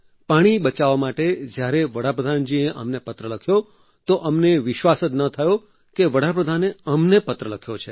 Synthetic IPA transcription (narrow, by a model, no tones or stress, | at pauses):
paɽ̃iɓət͡ʃaʋamaʈed͡ʒjaɾeʋəɽapɾəd̪ʱand͡ʒieʔə̰mnepət̪ɾələkʰjo | t̪oʔəmneʋɪʃʋasət̪nət̪ʰəjo | keʋəɽapɾəd̪ʱaneəmnepət̪ɾələkʰjot͡ʃʰe